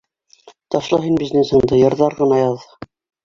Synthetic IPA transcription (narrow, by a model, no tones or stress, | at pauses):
t̪ɑʃlˠɑɦinbiznesɤ̆ɴd̪ɤjɤ̆ɾðɑɾʁɤ̆nɑjɑðɤ